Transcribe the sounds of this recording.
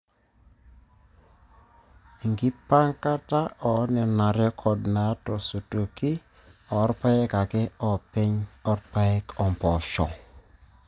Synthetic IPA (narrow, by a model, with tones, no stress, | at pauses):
i˨ŋɡi˦pa˦ŋka˦ta˦ʔɔ˨˦nɛ˨na˨ɾjɔ˦kʰɔ˨dna˨˦tɔ˨so˨to˨ki˦ | ɔ˨˦ɾpa˦jɛ˦ka˨kɛ˦ɔ˨pɛ˦ɲɔ˦ɾpa˦ɛ˦kɔ˨mpɔ˨ʃɔ̰˨